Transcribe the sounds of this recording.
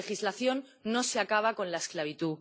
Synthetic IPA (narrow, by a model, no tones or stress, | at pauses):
exizlaθjo̞nː | o̞seakaβ̞ako̞nlaesklaβ̞it̪u